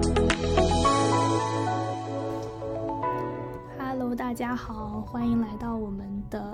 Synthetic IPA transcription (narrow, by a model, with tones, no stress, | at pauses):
a˥lo˧˥ʊt̪̬a˥˩t͡ɕja˥xɑ˨˩˦ʊxwa˥ni˧˥ŋla˧˥ɪt̪ɑ˥˩ʊwɔ˨˩mə˦nd̪ə˧